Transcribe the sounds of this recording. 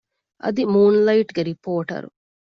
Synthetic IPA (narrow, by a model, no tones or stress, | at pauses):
ʔɐ̰d̪imuːnlɐjʈɡeɾipoːʈɐ̰ɾu